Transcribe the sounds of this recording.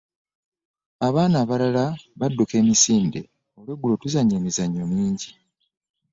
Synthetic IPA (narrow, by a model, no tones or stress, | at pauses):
aβaːnaːβalalaβadːuke̞ːmisiːnde̞ | o̞lweɡulo̞tuzaɲːoːmizaɲːo̞miːɲɟi